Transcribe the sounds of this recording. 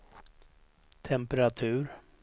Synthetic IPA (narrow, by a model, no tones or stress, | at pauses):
t̪ʰɛmpəɾat̪ʰʉ̟ːɾ